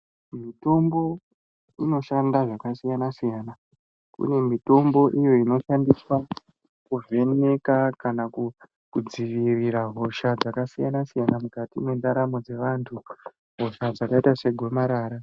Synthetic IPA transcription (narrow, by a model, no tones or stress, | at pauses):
mito̞mbo̞ | ino̞ʃandaʐakasijanasijaːna | kṵne̞mito̞mbo̞ʔijo̞ino̞ʃandiswa | kuve̞ne̞kakanaku | kud͡ziʋiriɾaɦo̞ʃad͡zakasijanasijanamukatimwe̞ndaɾamo̞d͡ze̞ʋantʰu | ɦo̞ʃad͡zakaitase̞ɡʱo̞maɾaːɾa